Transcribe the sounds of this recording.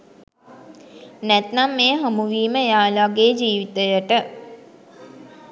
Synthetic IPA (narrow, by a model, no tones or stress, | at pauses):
nɛt̪namːeːɦamuʋiːməejaːlaɡeːd͡ʒiːʋit̪əjəʈə